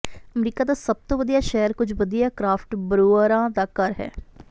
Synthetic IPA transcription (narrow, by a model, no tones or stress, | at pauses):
əmɾiːkaːd̪aːsəb̚t̪õːʋəd̪ijaːʃɛːəɾkʊd͡ʒʋəd̪ijaːkɾaːfʈbəɾoːɾãːd̪aːkəɾɦɛ̰ː